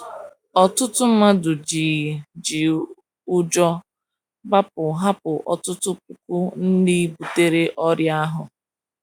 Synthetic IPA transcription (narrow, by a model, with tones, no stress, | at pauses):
ɔ˨tʊ˦tʊ˦ma˦dʊ˨d͡ʒi˨d͡ʒi˨ | u˦d͡ʒɔ˦ | ba˦pʊ˨ɦa˦pʊ˨ʔɔ̰˨tʊ˦tʊ˦k̚u˨kʊ˦n̩˦dɪ˦i˦bu˨te˦ɾe˦ʔɔ˦ɾja˦ɦʊ˨